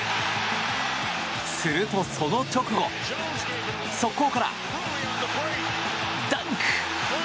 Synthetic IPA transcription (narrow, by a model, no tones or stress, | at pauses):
sɨɾɯ̟t̪o̞sonokʲo̞kɯ̟ɡo̞ | sokːokaɾa̰ | d̪aŋk